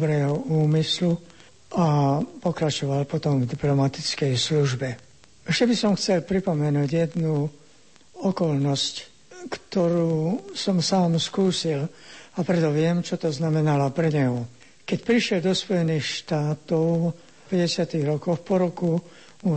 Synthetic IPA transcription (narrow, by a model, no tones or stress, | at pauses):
bɾɛːɦɔuːmislu | ʔapɔkɾat͡ʃɔʋalpɔt̪ɔmvd̪iplɔmat̪it͡skɛjsluʒbɛ | ɛʃcɛbisɔmxt͡sɛlpɾipɔmɛnuːɟjɛd̪nu | ɔkɔlnɔsc | kt̪ɔɾuːsɔmsaːmskuːsilapɾɛt̪ɔʋɪɛmt͡ʃɔt̪ɔznamɛnalapɾɛɲɛɦɔ | kɛcpɾiʃɪɛld̪ɔspɔjɛniːxʃt̪aːt̪ɔʊ | pɛɟɛsɪat̪iɣɾɔkɔʊpɔɾɔku | u